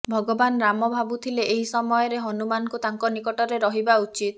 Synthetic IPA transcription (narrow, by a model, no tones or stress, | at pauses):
bʱɔɡɔbanɾamɔbʱabut̪ʰileʔeɦisɔmɔjɔɾeɦɔnumanɔkut̪aŋkɔnikɔʈɔɾeɾɔɦibaut͡ʃit̪